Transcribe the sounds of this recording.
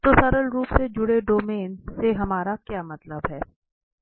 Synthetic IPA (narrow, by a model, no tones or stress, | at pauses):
t̪osɐɾəlɾuːpsed͡ʒʊɽeɖoːmeːnseɦɐmaːɾakjaːmɐt̪ləbɦɛː